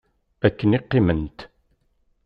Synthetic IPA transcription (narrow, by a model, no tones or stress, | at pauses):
ækːənɪqːɪmənt̪